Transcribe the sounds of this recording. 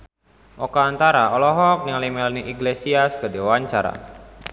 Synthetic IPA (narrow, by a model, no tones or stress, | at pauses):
ʔɔkaːnt̪aɾaɔlɔɦɔk̚niŋalimelaniʔiɡlesiaskədewaɲt͡ʃaɾa̰